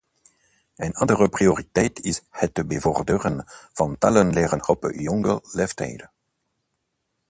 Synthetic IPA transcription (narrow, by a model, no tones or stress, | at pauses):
ənɑndəʁəprioʁitɛjtɪshətːəbəvɔrdəʁənv̥ɑntalənleːʁənxɔpə̰jɔŋɡəleftʰɛ̰jdə